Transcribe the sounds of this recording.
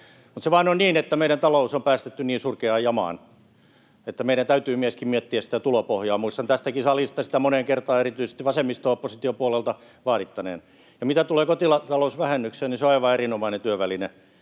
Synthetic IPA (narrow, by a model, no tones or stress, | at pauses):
mut̪seʋɑːnonniːnet̪ːæmeiɾænt̪ɑlousompæːst̪et̪ːyniːnsurkeɑːjɑmɑ̰ːn | et̪ːæmeiɾænt̪æyt̪yːmieskimmiɛt̪ːiæssi̥t̪æt̪ulopohjɑːmuist̪ɑnt̪æst̪ækisɑlist̪ɑsi̥t̪æmoneŋkert̪ɑːerit̪yise̥st̪iʋɑsemːist̪oopːosit̪iopuɑlelt̪ɑ | ʋɑːɾit̪ːɑnḛːn | jɑmit̪æt̪uleːkot̪ilɑt̪ɑlousʋæhenːykseniseoɑiʋɑerinomɑinent̪yøʋæline